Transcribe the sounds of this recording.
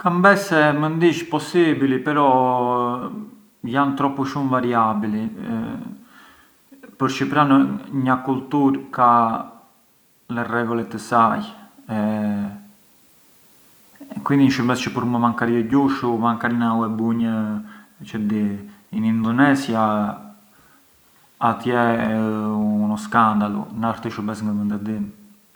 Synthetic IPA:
kambɛsɛmənd̪it͡ʃpɔsibilipɛɾɔ | jant̪ɾɔpːuʃumvaɾiabilḭ | pəɾt͡ʃəpɾanɲakult̪uɾka | lɛrɛɡɔlɛt̪əsajɛ | kwind̪iɲʃəbɛst͡ʃəpuɾməmaŋkaɾiəɟuʃumaŋkaɾinawɛbuɲə | t͡ʃɛd̪iinind̪ɔnɛsja | at̪jɛ | unɔskand̪alṵnaɾt̪əʃəbɛsŋɡəmənd̪ad̪in

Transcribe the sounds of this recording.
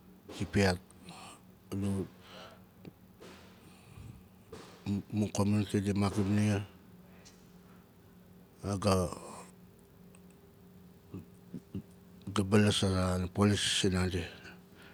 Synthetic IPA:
kipiat̚ | lu | mukominkedimakimnia | aɡa | ɡabalasaɾanapolissinade

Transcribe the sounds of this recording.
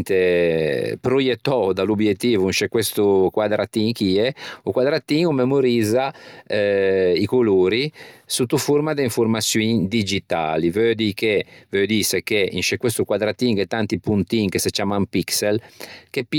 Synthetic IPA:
nt̪e | pɾojet̪ːɔd̪alubjet̪ːiːvuinʃekːwest̪ukwad̪ɾʔat̪ːiŋkiɛukwad̪ɾat̪ːiːŋumemoɾiːzaɛikuluːɾisut̪ːufurmad̪eiɱfoɾmasjuiŋd̪id͡ʒit̪a̰ːlivød̪ikevød̪isekeḭnʃekːwest̪ukwad̪ɾat̪ːiŋket̪ːant̪ipunt̪iŋkeset͡ʃːaːmampikselkepː

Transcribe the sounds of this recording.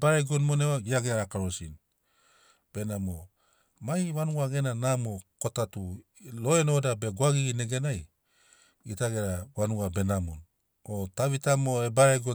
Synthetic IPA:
baɾeɡonmonewaɡiaɡeɾaɾakaɾosin | b̥e̞namo | majwanuaɡe̞nanamoko̞tatu | lo̞eno̞dabeɡwaɡiɡine̞ɡe̞naj | itaɡe̞ɾawanuabe̞namo̰n | otaβitamoebaɾeɡo

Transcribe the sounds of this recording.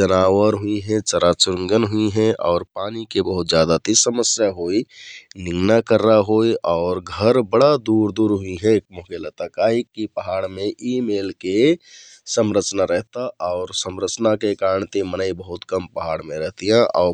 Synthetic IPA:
d͡ʒənaːwəɾɦuiɦɛ̃t͡ʃəɾat͡ʃʊɾəŋɡənɦʊiɦɛ̃ʔɔːɾpaːnikebəɦʊt̪d͡ʒjaːd̪at̪isəməsjaɦoːinɪ̃ŋɡnakəɾːaɦoːiʔɔːɾɡʱəɾbəɽad̪uːɾd̪uːɾɦʊiɦɛ̃k̚mokelət̪akaːɦikipəɦaːɽmẽʔimeːlke | səmɾət͡ʃnaɾɛɦt̪aʔɔːɾsəmɾət͡ʃnakekaːɾəɳt̪emənəibəɦʊt̪kəmpəɦaːɽmẽɾɛɦt̪iɦɛ̃ʔɔːɾ

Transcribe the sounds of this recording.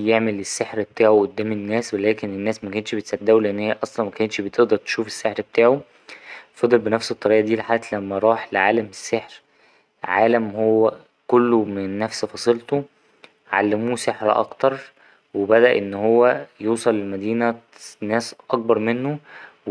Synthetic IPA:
jeʕmelesːeħɾbet̪aːʕoʔod̪ːæːmenːæːswelæːkenenːæːsmækæːnʃbet̪sæd̪ːæwleʔenːhejæʔɑsˤlɑnmækæːnʃbet̪eʔd̪ɑɾˤt̪e̥ʃuːfe̥sːeħɾbet̪aːʕo | fɑd̪ˤelbenæfset̪ˤːɑɾiːʔɑd̪iːlħaːʔt̪læmːæɾˤɑːħleʕaːlæmesːeħɾ | ʕa̰ːlæmhowːæ | kolːomenːæfsfɑsˤelt̪o | ʕa̰lːemuːseħɾʔɑ̰kt̪ɑɾˤ | webæd̪æʔenːhowːæjuːsˤɑlelmæd̪iːnæ | næːsʔɑk̚bɑɾˤmenːow

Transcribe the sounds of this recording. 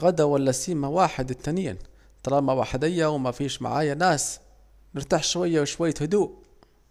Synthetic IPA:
ɣad̪awalːasiːmawaːħɪd̪ɪt̪ːaniːn | t̪ˤːɑɾˤɑːmawaːħɪd̪ɪjːawmafiːʃma̰ʕaːjanaːs | nɪɾt̪aħʃwajːawʃwajːahʊd̪uːʔ

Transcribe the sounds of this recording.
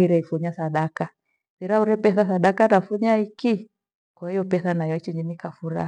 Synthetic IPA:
iɾɛifuɲasaɗaka | θiɾauɾɛpɛθasaɗakanafuɲaiki | kwahijɔpɛθanajɔit͡ʃiɲinikafuɾa̰

